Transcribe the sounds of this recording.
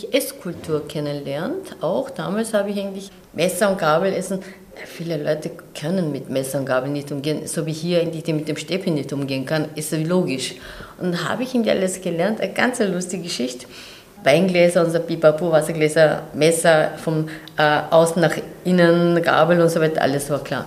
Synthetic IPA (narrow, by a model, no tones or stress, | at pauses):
çʔɛskʰʊltʰuːɐkʰɛnənlɛɐntaʊxd̥a̰ːmaːlshaːbɪçæɪɡn̩tlɪç | mɛsɐʊnt̚ɡ̥aːbl̩ɛsn̩ | afiːləlɔʏtəkʰœnənmɪtmɛsɐʊntɡ̥aːbl̩nɪçtʔʊmɡeːənsoːviːɦiːɐʔæɪɡən̩tlɪçd̥eːnmɪt̚d̥eːmʃtɛfənɪçtʔʊmɡeːənkʰanɪstviːloːɡɪʃ | ʔʊndɦa̰ːbəɪçɪŋntliçʔa̰ləsɡ̥əlɛɐntænɡ̥a̰nt͡sɛlʊstɪɡəɡəʃɪçt | vaɪnɡlɛːzɐʊnzɐpipapuːvasɐɡlɛːzɐmɛsɐfɔmʔɛʔaʊsn̩nːaχʔɪnənɡa̰ːbl̩ʊntsovaɪtɐ̰ʔa̰ləsvaːɐkʰl̥a̰ːɐ